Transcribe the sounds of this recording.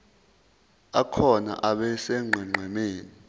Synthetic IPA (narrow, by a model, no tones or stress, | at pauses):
akʰɔna̰ʔaɓɛsɛŋ͡ǃʱɛŋ͡ǃʱɛmeːni